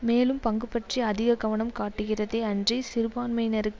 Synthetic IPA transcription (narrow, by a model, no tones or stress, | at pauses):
meːlɯmpɐŋɡɯpːɐʈriɐðɪɣɐɣɐʋɐɳɐmkaːʈːɯɣɪrɐðeːɐndrisɪɾɯbaːnmɐɪjnɐɾɯkː